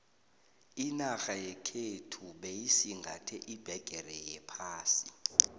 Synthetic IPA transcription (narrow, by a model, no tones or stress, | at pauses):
inaxajɛkʰetʰuɓejisiŋɡʱatʰɛʔib̥ʱɛɡ̥ʱɛrɛjɛpʰaːsi